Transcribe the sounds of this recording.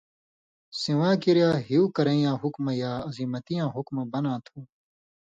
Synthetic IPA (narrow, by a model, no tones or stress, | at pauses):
siwãːkiɾjaːɦijuːkɐɾẽĩjãːɦukmɐjaːɐziːmɐt̪ijãːɦukmɐbɐnãːt̪ʰuː